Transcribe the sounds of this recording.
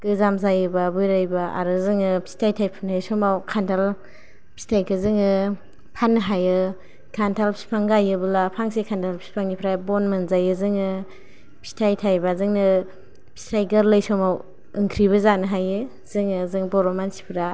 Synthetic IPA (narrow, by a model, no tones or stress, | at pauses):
ɡ̥ɯzamzajɯbabujɾajbaʔa̰ɾɯzɯŋɯpʰi̥stʰajtʰajpʰɯnasɔmawkʰantʰal | pʰi̥stʰajkʰɯzɯŋɯ | pʰanːɯɦajɯ | kʰantʰalpʰi̥spʰaŋɡajɯbɯlapʰaŋsekʰantʰalpʰi̥spʰaŋnipʰɾajbɔnmɯnzajɯzɯŋɯ | pʰi̥stʰajtʰajbazɯŋnɯ | pʰi̥stʰajɡɐɾləjsɔmaw | ɯŋkʰɾiβɯzanɯɦajɯ | zɯŋɯzɯŋbɔɾɔmansi̥pʰɾa